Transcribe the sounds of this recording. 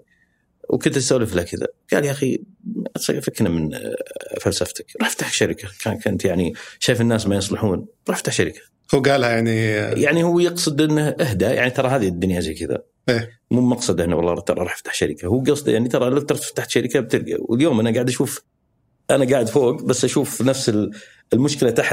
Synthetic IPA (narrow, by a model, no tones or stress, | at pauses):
wkʊnt̪st̪alɪflakɪða̰ɡ̥a̰ːljaʔaxiʔsˤɨɡfaknamɪn | falsaft̪ɪ̥kɾˤɑħft̪aħʃaɾɪkʰakakʰʊnt̪jaʕniʃaːjfɪnːaːsmajɨsˤlɪħuːnɾˤɑːħft̪aħʃaɾɪkʰḁ | huɡaːlhajaʕnijaʕnihʊwːjɑqsˤɨd̪ʔɪnːahʔɪhd̪aja̰ʕnit̪ɑɾˤɑɦaːðid̪ːʊnjazekɪða̰ | ʔeː | muːmɑqsˤɨd̪ʔɪnːawɑlˤːɑːɾˤt̪ɑɾˤɑɾˤɑːħft̪ḁħʃaɾɪkahuːɡɑsˤd̪jaʕnit̪ɑɾˤɑlat̪ɑɾˤt̪ft̪aħt̪ʃaɾɪkab̚t̪ɪlɡa̰wɪ̰ljoːmʔanaɡaːʕəd̪ʔaʃuːf | ʔanaɡaːʕɪd̪foːɡbasːʔaʃuːfnafsɪl | ɪlmʊʃkɪlat̪aħt̪